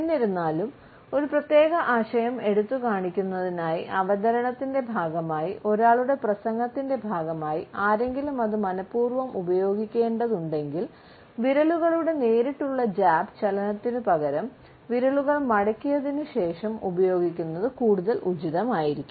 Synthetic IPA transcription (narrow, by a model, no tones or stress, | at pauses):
enːiɾunːaːlum | o̞ɾuprɐt̪jeːɣɐʔaːɕɐjɐme̞ɽut̪ːukaːɳikʲːunːɐðinaːjiʔɐʋɐd̪ɐɾɐɳɐt̪ːinde̞bʱaːɡɐmaːjiʔo̞ɾaːɭuɽe̞prɐsɐŋɡɐt̪ːinde̞bʱaːɡɐmaːjiaːɾe̞ŋɡilumɐðɨmɐnɐpːuːrʋɐmʔubɐjo̞ːɡikʲːe̞ːɳɖɐðuɳɖe̞ŋɡil | ʋiɾɐɭuɣɐɭuɽe̞neːɾiʈːuɭːɐd͡ʑaːbt͡ɕɐlɐnɐt̪ːinɨpɐɣɐɾɐm | ʋiɾɐɭuɣɐɭmɐɽɐkʲːijɐðinɨɕe̞ːʂɐmubɐjo̞ːɡikʲːunːɐðɨkuːɽuðɐlʔud͡ʑiðɐmaːjiɾikʲːu